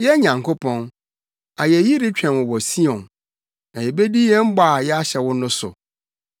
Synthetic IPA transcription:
jɛ˦ɲã˨ŋkʰo˦pʰɔ̃˦n | a˨jɛ˨ji˦ɾɪ˦t͡ɕᶣɛ̃˨nwʊ˨wɔ˨si˦ɔ̃˨n | nã˨jɛ˨be˦di˦jɛ˦m̩˦ba˦˨jɛ˦a˦ɕɛ˨wʊ̃˦nʊ̃˦sʊ̰˨

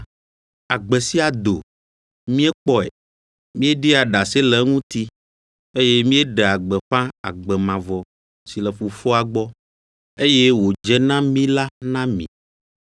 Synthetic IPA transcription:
a˨ɡ͡bɛ˨si˦a˨d̪o̰˨ | mĩ˦ɛ˦k͡pɔ˦ḛ˨ | mĩ˦e˦ɖi˦a˨ɖa˨se˦lɛ˨˦ŋũ˦t̪i˦ | e˦je˦mĩ˦e˦ɖɛ˨a˨ɡ͡bɛ˨ɸã˦a̰˨ɡ͡bɛ˨mã˨vɔ˨ | si˨lɛ˨fu˨fɔ˦a˨ɡ͡bɔ˦ | e˦je˦wo˨d͡ʒɛ˦nã˦mĩ˦la˦nã˦mḭ̃˨

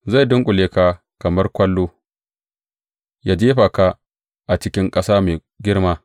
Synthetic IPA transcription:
za˦˨jdʊ˦ŋkʷʼʊ˨leː˦˨ka˦ | kɐ˨mɐ˦rkʷɐ˦lːoː˦ | jaː˦d͡ʒeː˦ɸa˨ka˦ | ʔa˨t͡ʃɪ˦kʲɪ˦ŋkʼɐ˦saː˦meː˨ | ɡʲɪ˦rmaː˦

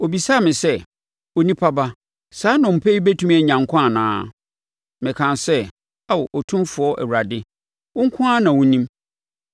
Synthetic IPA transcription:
o˨bi˨sa˦˨mɪ̃˨sɛ˦ | o˨nĩ˦pʰa˦ba˦ | saː˨˦nʊ̃˨m̩˨pʰɛ˦i˦be˦tʰu˦m˦ɛ˨ɲã˨ŋ˨kʷʰã˦a˨nã̰ː˨˦ | mɪ̃˨kʰã˨nsɛ˦ | a˦wʔɔ˨tʰũ˦mfʊ˨˦ɔ˦ʔɛ̰˨wu˨ɾa˨dɪ˦ | wʊ̃˦ŋ̩˦kʰʊ̃˦a˦nã˨wʊ̃˦nĩ˦m

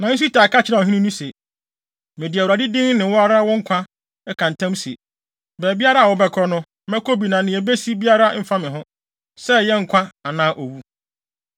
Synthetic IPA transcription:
nã˨n̩˦s̬u˦ta˨ka˦t͡ɕʰɪ˦nã˨ɦĩ˦nĩ˦nũ˦se˨ | mɪ̃˨di˨wa˨dɪ˦dɪ̃˦ŋnɪ̃˨wɔ˦a˦ɾa˦wɔ̃˦ŋ̩˦kʷʰã˦ | ɛ˦kʰã˨n˨tʰã˦msḛ˨ | bɛː˨bi˦a˦ɾa˦a˨wɔ˨bɛ˦kʰɔ˦nʊ̃˦ | mɛ̃˦kʰo˦bi˨nã˨nɪ̃˨ɛ˨be˦si˦bi˦a˦ɾa˦m̩˦fa˦mɪ̃˨ɦʊ̃˦ | sɛ˦jɛ˦ŋ̩˨kʰʷã˦a˨nãː˦ʔo˨wu˦

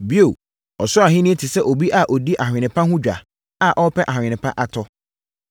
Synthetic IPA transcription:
bi˦o˨ | ɔ˨sʊ˦a˨ɦɪ̃˦nɪ̃˦ɛ˦tʰɪ˨sɛ˦ʔo˨bi˦ʔa˦ʔɔ˨di˦ʔa˨hᶣɪ̃˨nɪ̃˨pʰã˦hʊ̃˦d͡ʑᶣa̰˨ | a˨ʔɔ˦pʰɛ˦ʔa˨hᶣɪ̃˨nɪ̃˨pʰã̰˦ʔa˨tʰɔ˦

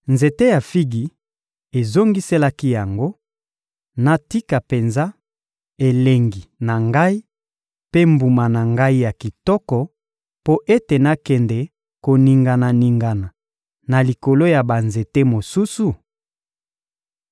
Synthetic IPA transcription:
nze˨te˦ja˨fi˦ɡi˨ | e˨zo˦ŋɡi˦se˦la˦ki˦ja˨ŋɡo˦ | na˨ti˦ka˨pe˨nza˦ | e˨le˨ŋɡi˨na˨ŋɡa˦i˦ | pe˦mbu˨ma˨na˨ŋɡa˦i˦ja˨ki˨tɔ˦kɔ˨ | po˦ʔe˦te˨na˦kɛ˨ndɛ˨ | ko˨ni˨ŋɡa˨na˨ni˨ŋɡa˨na˨ | na˨li˨ko˨lo˦ja˨ba˨nze˨te˦mo˨su˦su˨

